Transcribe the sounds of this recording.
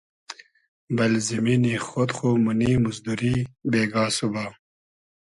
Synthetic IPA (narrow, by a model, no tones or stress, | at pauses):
bɐlziminixod̪xomunimuzd̪uɾibeːɡaːsubaː